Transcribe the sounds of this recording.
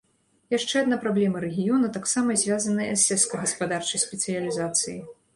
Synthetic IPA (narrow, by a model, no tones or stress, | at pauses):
jaʂt͡ʂɛad̪napɾablʲɛmɐɾɛɣʲijɔnɐt̪aksamɐzʲvʲjazɐnɨjɐ̰sːʲɛtskɐjɣɐspad̪art͡ʂɐjsʲpʲɛt̪sɨjɐlʲizat̪sɨji